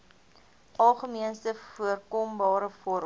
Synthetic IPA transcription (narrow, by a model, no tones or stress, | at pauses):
ʔɐlˠχəmiənstəfuərkɔmbɑːɾəfɔɾ